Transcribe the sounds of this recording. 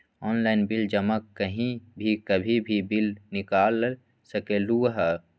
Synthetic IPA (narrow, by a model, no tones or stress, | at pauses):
ɔːnlaːɪnbɪld͡ʒəməkkːəɦĩbʱikəbʱibʱibɪlnɪkaːl | səkeluɦə